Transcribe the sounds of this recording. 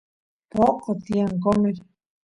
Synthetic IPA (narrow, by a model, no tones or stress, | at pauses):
poʔqot̪iaŋkomeɾ